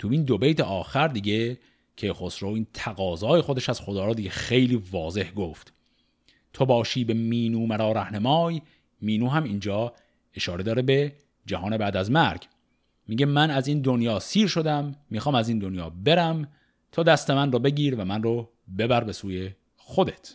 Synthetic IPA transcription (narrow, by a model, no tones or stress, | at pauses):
t̪ʰuind̪obejt̪ʰeʔɒːxæɾd̪iːɟe | cʰe̞xosɾoiːnt̪ʰæɣɒːzɒːje̞xod̪eʃæz̥xod̪ɒːɾɔːd̪iːɡexejliːvɒːze̞hɡoft̪ | t̪ʰobɒːʃiːbe̞miːnuːmæɾɒːɾæhnemɒːj | miːnuːɦæmiːnd͡ʒɒː | e̞ʃɒːɾe̞d̪ɒːɾebe̞ | d͡ʒæhɒːne̞bæːd̪æzmæɾɡ | miːɟemænæziːnd̪onjɒːsiːɾʃo̞d̪æmːiːxɒːmæziːnd̪onjɒːbe̞ɾæm | t̪ʰɒːd̪æst̪emænrɔːbe̞ɟiːɾvæmænro | be̞bæɾbe̞suːje̞ | xo̞d̪et̪ʰ